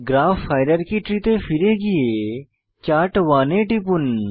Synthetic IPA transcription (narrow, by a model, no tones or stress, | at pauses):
ɡɾaːfːaːɪɾəɾkiːʈɾiːt̪eːfɪɾeːɡije | t͡ʃaːʈʋaːnẽːʈɪpʊn